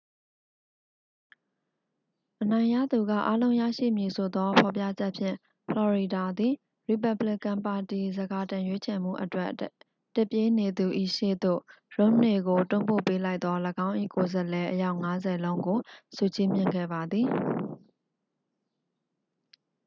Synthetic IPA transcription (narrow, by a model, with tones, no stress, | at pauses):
ʔənã˨ɪ̃ja̰˦˨d̪u˨ɡä̰˦˨ʔa˦lõ˦ʊ̃jä̰˦˨ʃḭ˦˨mji˨sʰo˨d̪ɔ˦pʰɔ˨pjä̰˦˨d͡ʑɛ˦ʔpʰjɪ̰̃˦˨ | pʰlɔ˨ɹi˨da˨d̪i˨ | ɹi˨p̬a˨blɪ˦kã˨mpa˨ti˨zəɡa˨tã˨jwe˦t͡ɕʰɛ˨m̥ṵ˦˨ʔətwɛ˦ | tɪ˦˨pje˦ne˨d̪u˨ʔḭ˦˨ʃḛ˦˨d̪o̰˦˨ɹõ˦ne˨ɡo˨tʊ̰̃˦˨mpo̰˦˨pe˦la˦ɪt̪ːɔ˦ləɡã˦ʊ̃ʔḭ˦˨ko˨zə˨lɛ˨ʔəja˦ʊʔŋa˦zɛ˨lõ˦ʊ̃ŋɡo˨su˨t͡ɕi˦mjɪ̰̃˦˨ŋɡɛ̰˦˨ba˨d̪ði˨